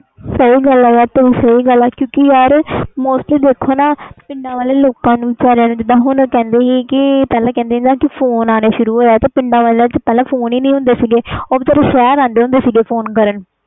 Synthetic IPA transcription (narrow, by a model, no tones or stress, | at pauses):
səiːɡəlɛːjaːɾt̪eːiːsəiːɡəlɛːkjõːkɪjaːɾmoːsʈliːd̪eːkʰoːnaːpɪ̃ɳɖãːʋaːleːloːkãːnũːt͡ʃaːɾãːd͡ʒɪd̪ãːɦʊnkɛ̃ːnd̪eːɦiːkɪpɛːlãːkɛ̃ːnd̪eːd̪aːkɪpʰoːnaːneːʃʊɾuːɦoːjaːt̪eːpɪɳɖãːʋaːlet͡ʃpɛːlɛ̃ːpʰoːniːnĩːɦʊ̃nd̪eːsiːɡeːoːbt̪əɾaːʃɛːɾãːnd̪eːɦʊ̃nd̪eːsiːɡeːpʰoːnkəɾən